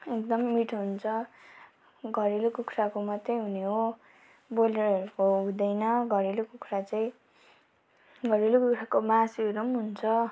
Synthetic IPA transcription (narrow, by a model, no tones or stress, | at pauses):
ek̚d̪ʌmːiʈʰoɦunt͡sʰʌ | ɡʱʌɾilokukʰrakomʌt̪ːejɦuneɦo | boleɾʌɾukoɦũd̪ʌjnʌɡʱʌɾilokukʰrat͡saĩ | ɡʱʌɾilokukʰɾakomasiɾumɦunt͡sʰʌ